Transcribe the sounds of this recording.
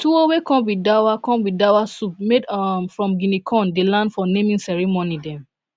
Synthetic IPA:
tuowekɔ̃mwidawakɔ̃mwidawasup̚medmfɹɔ̃mɡĩnikʰɔ̃ndelãndfɔnẽmĩnsɛɹimonidɛ̃m

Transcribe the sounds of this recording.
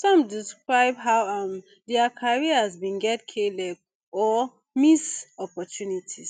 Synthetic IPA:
sɔ̃mdiskɹaɪbɦaʊãm | dɛakʰaɹiəzbĩnɡɛtkʰelɛɡ | ɔ | misɔpɔtʰjunitʰiz̥

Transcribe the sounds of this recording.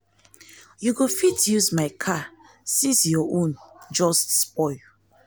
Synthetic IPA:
juɡofitjuzmaɪkʰa | sĩsjɔʔõnd͡ʒɔstspɔɪl

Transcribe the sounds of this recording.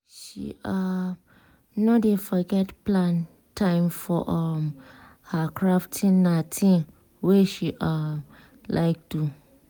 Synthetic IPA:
ʃḭʔa | nɔdefɔɡɛtplãn | tʰãɪ̃mfɔʔɔm | hakʰɹaftʰĩnːatʰĩn | weʃiʔam | lʔa̰ɪk̚tu

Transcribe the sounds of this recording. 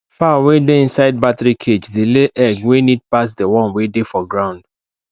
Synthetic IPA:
fawedeĩnsaɪd̚batɹikʰed͡ʒdeleʔɛɡwenid̚pasdəwɔ̃nwedefɔɡɹãʊ̃nd̥

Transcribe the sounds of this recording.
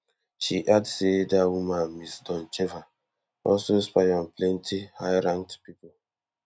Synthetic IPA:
ʃiʔadsedawumãnmisdɔ̃nt͡ʃeva | ɔsospajɔnplɛntihajɾãŋtpipo

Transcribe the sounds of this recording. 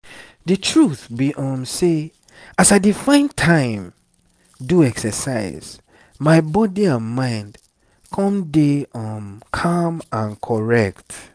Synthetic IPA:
dɨtʰɹuθbiʔɔ̃mse | asaɪdifãɪ̃ntʰãɪ̃m | duɛksɛsa̰ɪz̥ | maɪbɔdiamãɪ̃nd | kʰɔ̃mdeɔmkʰamãnkʰɔɹɛk̚t

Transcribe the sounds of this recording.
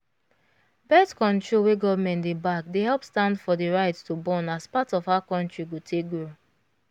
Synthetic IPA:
bɛtkɔ̃ntɹolweɡɔvmɛ̃ntdebakdeɦɛlpstãndfɔdeɹaɪtstobɔ̃naspatɔfaakɔ̃ntɹiɡotʰek̚ɡɹo

